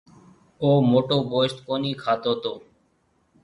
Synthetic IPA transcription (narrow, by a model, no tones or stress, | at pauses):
oːmoːʈoːboːesʈ̪koːniːkʰaːt̪oːt̪oː